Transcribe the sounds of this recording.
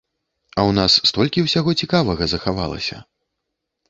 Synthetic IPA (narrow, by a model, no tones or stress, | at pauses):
ɐwnasːt̪ɔlʲkʲiwsʲaɣɔt͡sʲikavɐɣɐzɐxava̰lˠɐ̰sʲɐ̰